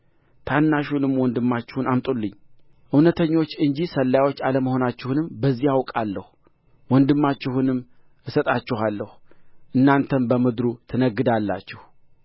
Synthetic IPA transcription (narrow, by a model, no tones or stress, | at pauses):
t̪ʰanːaʃunɨmːwɔnd̪ɨmːat͡ʃːɪhunamt̪ʼulːɨɲː | ʔɨwnət̪ʰəɲːo̞t͡ʃːɨɲd͡ʒisəlːajwo̞t͡ʃːaləməho̞nat͡ʃːɪhunɨmbəzːijawkʼalːəhu | wɔnd̪ɨmːat͡ʃːɪhunɨm | ʔɨsət̪ʼat͡ʃːɪhalːəhu̥ʔɨnːant̪ʰənbəmɨd̪ɾut̪ʰɨnəɡːɨd̪alːa̰t͡ʃːɪhu